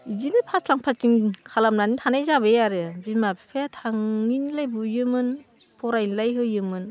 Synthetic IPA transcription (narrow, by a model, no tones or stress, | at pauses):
izinɯpʰaslaŋpʰat͡ʃiŋkʰalamnanitʰanajzabejaɾɯbimapʰi̥pʰajatʰaŋːinlajbujɯmɯn | pʰɔɾajnlajɦɯjɯmɯn